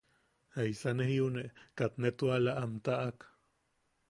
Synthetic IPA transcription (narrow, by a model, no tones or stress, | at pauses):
aisanehiuneʔkat̪net̪ualaʔamt̪aʔak